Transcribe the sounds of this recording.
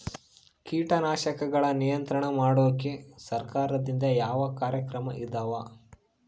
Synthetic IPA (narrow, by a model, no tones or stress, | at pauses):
kiːʈɐnaːʃɐkɐɡɐɭɐnijɐnt̪ɾɐɳɐmaːɽoʋɐkːesɐɾkaːɾɐd̪ind̪ɐjaːʋɐkaːɾjɐkɾɐmɐʔid̪ɐʋa